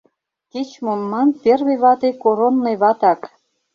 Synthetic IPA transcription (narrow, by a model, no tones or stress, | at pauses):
ket͡ɕmomːɑnpʲerβeβɑt̪ekoɾonːejβɑt̪ɑk